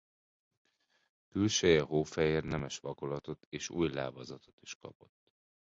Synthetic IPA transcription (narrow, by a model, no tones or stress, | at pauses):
kylʃøjɛɦoːfɛjeːrnɛmɛʃʋɒkolɒt̪o̞t̪eːʃṵːjlaːbɒzɒt̪o̞̥t̪i̥ʃkɒ̰po̞t̪ː